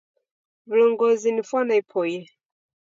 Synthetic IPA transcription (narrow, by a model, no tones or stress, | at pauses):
vlɔŋɡɔzinifwanaipʰɔjɛ